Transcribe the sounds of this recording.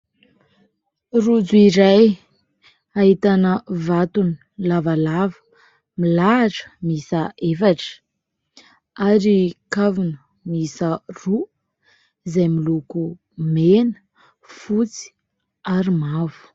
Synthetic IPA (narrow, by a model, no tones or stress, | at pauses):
rud͡zuiɾaj | aɦit̪anəvat̪uni | lavalavə̥ | milaʈ͡ʂə̥misəʔefaʈ͡ʂə̥ | aɾikavunə | misəru | zajmiluku | menə̥ | fut͡si̥ | aɾimavu̥